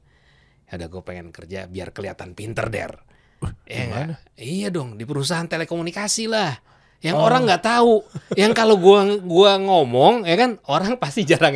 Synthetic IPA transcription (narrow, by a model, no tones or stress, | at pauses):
judahɡuapeŋɛnkərd͡ʒa̰bia̰rkəlia̰t̪anpint̪ə̰rdɛ̰r | jaŋɡa | ijadɔŋdipəɾus̬aɦant̪elekomunikasilah | jaŋoɾaŋɡaʔt̪aujaŋkaloɡuaɡuaŋomɔŋjakanoɾaŋpast̪id͡ʒaɾaŋ